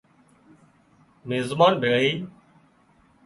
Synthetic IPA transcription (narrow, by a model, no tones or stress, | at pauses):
meːzmaːnbʱeɭɦiː